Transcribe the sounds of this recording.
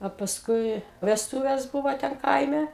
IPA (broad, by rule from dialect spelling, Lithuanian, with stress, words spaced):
ɐ pɐsˈkʊɪ ʋʲɛsˈtʊʋʲɛs ˈbʊʋoː ˈtʲɛn ˈkɐɪmʲɛ